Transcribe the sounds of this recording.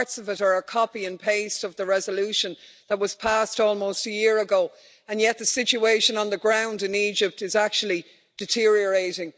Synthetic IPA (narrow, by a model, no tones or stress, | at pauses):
ɹtsʌvɪɾə˞əkʰɑpiɨ̃npʰeɪstʌvðəɹɛzəlʉʃə̃n | ðət̚wɒz̥pʰastɔːlˠmoʊstəjɪəɹəɡoʊ | ə̃njɛt̪̚ðəsɪt͡ʃueɪʃə̃nə̃nðəɡɹãʊ̃ndɪ̃niːd͡ʒɪp̚tɨzak̚t͡ʃul̩ˠi | d̥ɪtʰɪɹiə˞eɪɾɪ̃ŋ